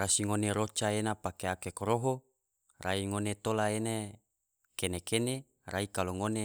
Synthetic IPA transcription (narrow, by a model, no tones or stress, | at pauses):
rasiŋoneɾot͡ʃaenapakeakekoɾoɦo | raiŋonet̪olaene | kenekene | ɾʔaikaloŋone